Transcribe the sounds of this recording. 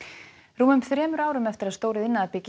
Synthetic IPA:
ruːmʏmθɾɛːmʏɾaːwɾʏmɛft̪ɪɾaðst̪oːwɾɪðɪnːaapɪc

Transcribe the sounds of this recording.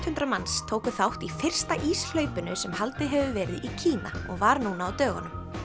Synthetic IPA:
t̪hʏnt̪ɾamanst̪ʰoːwkʏθawht̪ifɪr̥st̪aʔiːsl̥œɥpʏnʏsɛmhalt̪ɪɦɛvʏvɛːɾɪðʔicʰiːnaɔ̰ɣvaɾnuːnaːwt̪œːɣʏnʏm

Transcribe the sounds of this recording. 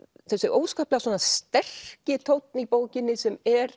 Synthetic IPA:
θɛsɪʔoːwskaːplɛɣasɔːnast̪ɛr̥cɪt̪ʰowt̪nipoːwcɪnːɪsɛmɛɾ̥

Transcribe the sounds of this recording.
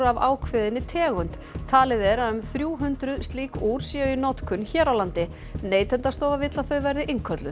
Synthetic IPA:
avaːwkʰvɪðɪnːɪt̪ʰɛːɣʏnt̪ | t̪ʰːaːlɪðɛɾaʏmθɾjuːɦʏnt̪ɾʏðst̪liːkuɾ̥sjɛʏnɔt̪kʰʏnçɛːɾawlant̪ɪ | neːjt̪ʰɛnt̪ast̪ɔːwvavɪt̪laθœɥvɛɾðɪʔɪŋkʰœt̪lʏ

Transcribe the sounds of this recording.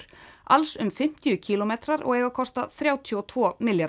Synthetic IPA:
ɾ̥ʔa̰lsʏmfɪm̥t̪ɪjʏcʰiːlɔmet̪ɾaɾɔ̰ɣɛːɣakʰɔst̪aθɾjaːwt̪ʰjɔt̪ʰvɔːmɪlja

